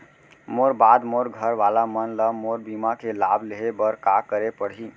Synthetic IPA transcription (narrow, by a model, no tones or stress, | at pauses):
moɾbad̪moɾɡʱəɾʋalamənləmoɾbimakelabʱleɦebəɾkakəɾepəɽ̤i